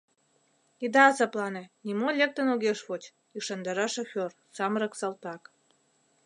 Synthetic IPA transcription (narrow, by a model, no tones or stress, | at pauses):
id̪ɑsɑplɑnĕnimolʲek̚t̪ə̆noɣeʃβot͡ɕ | yʃɑnd̪ɑɾɑʃoxʲor | sɑmɾə̆ksɑlt̪ɑk